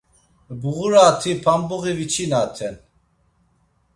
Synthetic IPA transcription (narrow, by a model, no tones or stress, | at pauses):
buɣuɾaːt̪ʰipʰambuɣivit͡ʃʰinat̪ʰɛn